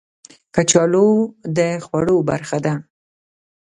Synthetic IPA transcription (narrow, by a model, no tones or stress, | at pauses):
kat͡ʃɑlod̪əxwaɽoba̰ɾxad̪a